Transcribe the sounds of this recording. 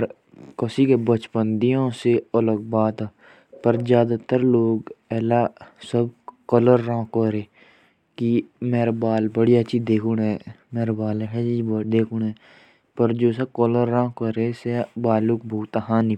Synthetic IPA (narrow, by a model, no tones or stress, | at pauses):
ɾ | kəsiːkebət͡ʃpənd̪ijõːseələɡ̚baːd̪aː | pəɾzjaːd̪aːt̪əɾloːɡɛːlaːsəb̚kələɾːãːkoːɾeː | kimeːɾabaːlbəɽijaət͡ʃʰiːd̪eːkʰuɳɛmeːɾabaːlɦɛd͡ʒid̪eːkʰuɳɛː | pəɾd͡ʒoːsəb̚kɔləɾːãːkəɾeːsebaːluk̚bʱoːt̪aɦãːnĩ